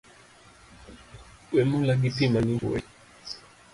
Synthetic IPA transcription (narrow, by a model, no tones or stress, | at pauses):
wɛmulaɡ̬ipimaniṵwɛ̰